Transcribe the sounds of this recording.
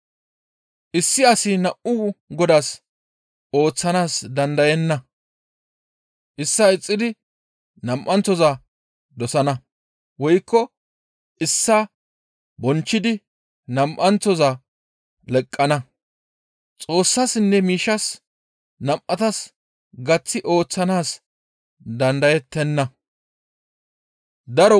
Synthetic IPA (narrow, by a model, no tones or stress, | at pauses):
ʔɪsːɪɐsɪnɐʔʊɡɔd̪as | o̞ːt͡sːɐnaːsd̪ɐnd̪ɐjɛnːɐ | ʔɪsːɐɪt͡sʼːɪd̪ɪ | nɐmʔɐntːɔza | d̪ɔsɐnɐ | wɔjkːɔ | ʔɪsːa | bɔnt͡ʃːɪd̪ɪ | nɐmʔɐnt͡sːɔzaː | lɛkʼːɐnɐ | t͡sʼo̞ːsːasɪnːɛmiːʃɐs | nɐmʔɐt̪ɐs | ɡɐt͡sːɪʔo̞ːt͡sːɐnaːs | d̪ɐnd̪ɐjɛt̪ːɛnːɐ | d̪ɐɾɔ